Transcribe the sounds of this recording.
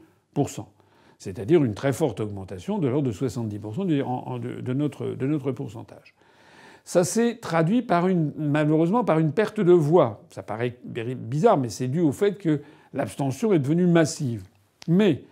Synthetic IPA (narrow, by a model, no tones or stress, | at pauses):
puʁsɑ̰̃ | sɛt̪ad̪iʁynt̪χɛfɔʁt̪ɔɡmɑ̃t̪asjɔ̃d̪əlɔʁd̪əswasɑ̃t̪̚d̪ipuʁsɑ̃d̪̰d̪ə̰d̪ənɔt̪χə̰d̪ənɔt̪χəpuʁsɑ̰̃t̪a̰ʒ̥ | sasɛt̪χad̪ɥipaʁynmaløʁøzmɑ̃paʁynpɛʁt̪əd̪əvwasapaʁɛbeʁibizaʁmɛsɛd̪yofɛt̪kə | lapst̪ɑ̃sjɔ̃ɛd̪əvənymasiv | mɛ